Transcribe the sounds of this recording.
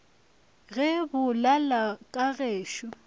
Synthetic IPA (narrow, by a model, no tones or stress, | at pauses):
ɣɛbʊlalakʼaɣeːʃɔ